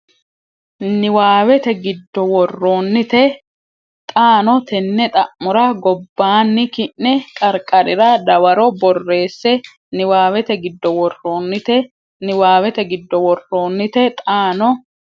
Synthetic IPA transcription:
nɪwaːwɛt̪ɛɡɪd̪ːɔwɔrːo̞ːnːɪt̪ɛ | t̪ʼaːnɔt̪ɛnːɛt̪ʼɐʔmːʊɾɐɡɔbːaːnːɪkɪʔːɛkʼɐɾkʼɐɾɪɾɐd̪ɐwɐɾɔbɔrːe̞ːsːɛ | nɪwaːwɛt̪ɛɡɪd̪ːɔwɔrːo̞ːnːɪt̪ɛ | nɪwaːwɛt̪ɛɡɪd̪ːɔwɔrːo̞ːnːɪt̪ɛt̪ʼaːnɔ

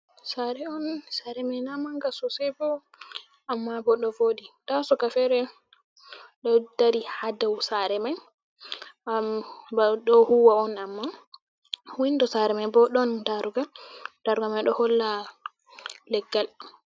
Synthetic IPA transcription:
saɾɛɔnsaɾɛmajnamaŋɡasɔsɛbɔ | ʔamːabɔɗɔvoditasɔkafɛɾɛ | ɗɔdaɾihadawsaɾɛmaj | bɗɔhuwaɔnamːa | windɔsaɾɛmajbɔɗɔndaɾuɡad̥aɾuɡamajɗɔhɔlːa | lɛɡːal

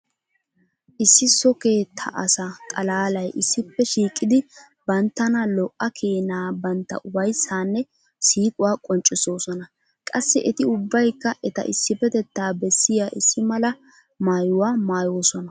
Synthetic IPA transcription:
ʔɪsːɪsɔke̞ːt̪ʰːɐ̰ʔɐsɐkʼɐlaːlɐjʔɪsːɪpːɛʃiːkʼːɪd̪ɪ | bɐnt̪ːɐnɐlɔʔːɐkʰeːnaːbɐnt̪ːɐ̰ʔʊbɐjsaːnːɛ | siːkʼʊwaːkʼɔnt͡ʃʼːɪso̞ːsɔnɐ | kʼɐsːɪʔɛt̪ɪʊbːɐjkːɐʔɛt̪ɐ̰ʔɪsːɪpɛt̪ɛt̪ːaːbɛsːɪjaːʔɪsːɪmɐlɐ | maːjʊwaːmaːjoːsɔnɐ

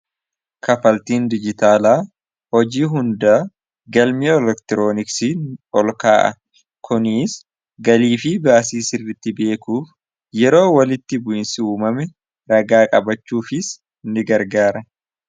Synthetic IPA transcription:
kɐfɐlt̪iːnd̪ɪd͡ʒɪt̪aːlaː | hɔd͡ʒiːɦʊnd̪aː | ɡɐlmiɛlɛkt̪ɪɾo̞ːnɪksiɔlkaːʔɐ̰ | kʰʊniːs | ɡɐliːfɪbaːsiːsɪrːɪt̪ːɪbe̞ːkuːf | jɛɾo̞ːwɐlɪt̪ːɪbʊʔɪnsɪuːmɐmɛ | ɾɐɡaːkʼɐbɐt͡ʃːuːfɪs | nːɪɡɐɾɡaːɾɐ

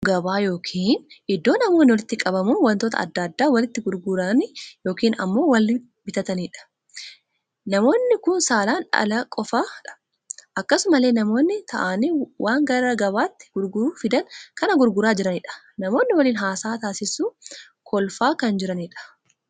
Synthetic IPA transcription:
ɡɐbaːjo̞ːkʰiːnɪd̪ːoːnɐmo̞ːnːɪwɔlɪt̪ːɪkʼɐbɐmuːnwɐnt̪oːt̪ɐ̰ɐ̰d̪ːɐd̪ːaːwɐlɪt̪ːɪɡʊɾɡʊɾɐnɪjo̞ːkiːnɐ̰mːo̞ːwɐlː | bɪt̪ɐt̪ɐniːᶑɐ̥ | nɐmo̞ːnːɪkʊnsaːlaːnᶑɐ̰lɐkʼɔfaːᶑɐ̥ | ʔɐkːɐsʊmɐleːnɐmo̞ːnːɪt̪ʰɐʔaːniwʔaːŋɡɐɾɐɡɐbaːt̪ːɪ̥ɡ̥ʊɾɡʊɾuːfɪd̪ɐnkɐnɐɡʊɾɡʊɾaːd͡ʒɪɾɐnɪᶑɐ̥ | nɐmo̞ːnːɪwɐliːnɦaːsaːt̪aːsɪsuː | kʰɔlfaːkɐnd͡ʒɪɾɐniᶑɐ̥

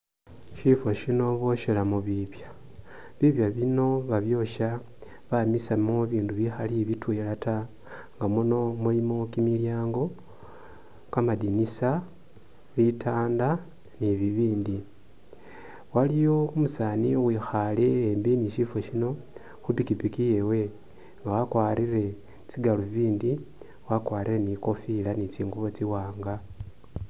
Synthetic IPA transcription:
ʃifoʃino̞βo̞ʃelamuβiβja | βiβjaβino̞βaβjo̞ʃa | βamisamoβiːnduβixaliβitwelata | ŋɡamuno̞mulimo̞kimiljaːŋɡo̞ | kamadinisa | βitʰaːnda | niβiβiːndi | walijo̞umusaːniɣwixale̞ːmbiniʃifo̞ʃino̞ | xupikipikijewe̞ | ŋɡawakwaːɾire̞ | t͡siɡaluviːndi | wakwaːɾireniko̞filanit͡siːŋɡuβot͡siwaːŋɡa

